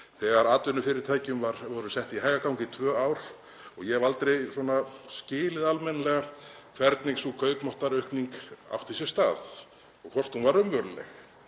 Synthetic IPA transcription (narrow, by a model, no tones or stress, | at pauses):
θɛɣaɾaːt̪vʏnʏfɪɾɪɾ̥t̪ʰaːjcʏmvaɾvɔɾʏsɛht̪iɦaːjɣakawŋcɪt̪ʰvœːawɾ̥ | ɔɣjɛvalt̪ɾejswɔnascɪːlɪðalmɛnalɛɣa | kʰvɛɾt̪niŋksukʰœːɥkmɔht̪aɾʏhkniŋka̰wft̪is̬ɛ̥st̪a̰ːð | ɔkʰvɔr̥t̪hunvaɾʏmvœɾlɛ̰x